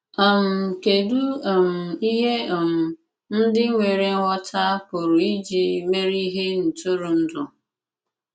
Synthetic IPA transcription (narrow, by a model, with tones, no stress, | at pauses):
a˨m̩˨ke˨du˦o˨m̩˨i˦ɦe˦o˨m̩˨ | n̩˦dɪ˦ŋʷe˨ɾe˨ŋ̩˦ŋʷɔ˦tʰa˦pʊ˨ɾʊ˨i˦d͡ʒi˨me˦ɾi˦ɦe˦n̩˨tʊ˦ɾu˨n̩˦dʊ˨